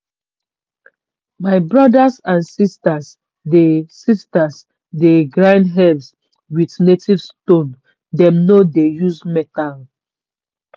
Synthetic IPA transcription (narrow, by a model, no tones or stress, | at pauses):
maɪbɹɔdasãnsistas | desistas | deɡɹãɪ̃ndɦɛbs | witnetivstõn | dɛ̃mnodejuzmɛtal